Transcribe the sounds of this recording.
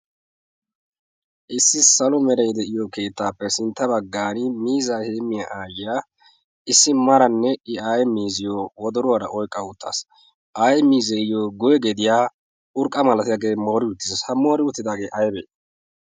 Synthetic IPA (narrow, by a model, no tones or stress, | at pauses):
ʔɪsːɪsɐlɔmɛɾɛjd̪ɛʔɪjɔke̞ːt̪ːaːpːɛsɪnt̪ːɐbɐɡːaːnɪmiːzaheːmːɪjaʔaːjɪjaː | ɪsːɪmɐɾɐnːɛʔɪajmiːzɪjowɔd̪ɔɾʊwaɾɐʔɔjkʼːɐʊt̪ːa̰ːs | ʔɐjmiːzɛɪjoːɡɔjɛɡɛd̪ɪjaː | ʔʊɾkʼːɐmɐlɐt̪ɪjaːɡe̞ːmo̞ːɾɪʊt̪ːɪzɐshɐmo̞ːɾɪʊt̪ːɪd̪aːɡe̞ːʔɐjbɛ̰